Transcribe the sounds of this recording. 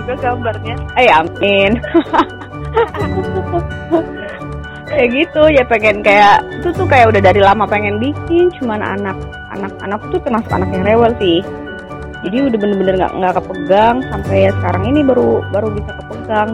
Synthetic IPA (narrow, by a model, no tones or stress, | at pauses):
uɡaɡambarɲaajamɪn | aakupukʊk̚ | aɡit̪ud͡ʒapeŋɛnkajaʔt̪ut̪ʊkajaʔudahdaɾilamapeŋɛnbikɪnt͡ʃumana̰nak̚ | a̰nak̚a̰nak̚ːt̪ut̪ərmasʊka̰nakjaŋrewɛlsɪh | d͡ʒadiudahbənəbənərŋɡa̰ʔŋɡakəpəɡaŋsampajasəkaɾaŋinibaɾubaɾubisakəpəɡaŋ